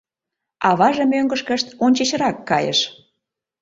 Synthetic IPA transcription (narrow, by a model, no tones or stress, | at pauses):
ɑβɑʒə̆møŋɡəʃkə̆ʃt̪onʲt͡ɕə̆ɕə̆ɾɑkːɑjə̰ʃ